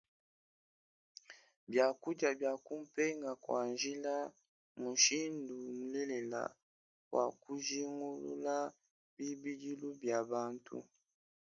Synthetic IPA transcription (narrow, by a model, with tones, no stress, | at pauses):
bja˨ku˦d͡ʒa˨bja˨ku˦m̩˦pɛ˦ŋɡa˨kwa˨nʒi˦la˦ | mu˨ʃi˦ndu˨m̩˨lɛ˦lɛ˨la̰˨ | kwa̰˨ku˦ʒi˦ŋɡu˦lṵ˦la˦ | bi˦bi˦di˦lu˦bja˨ba˦ntʰṵ˦